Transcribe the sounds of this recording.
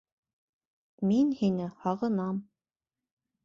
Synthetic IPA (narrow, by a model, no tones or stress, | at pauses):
minhinɘhɑʁɤ̆nɑm